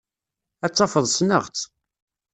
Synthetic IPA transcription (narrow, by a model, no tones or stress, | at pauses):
æt͡sːɑfəðˤsnə̰ʁt͡s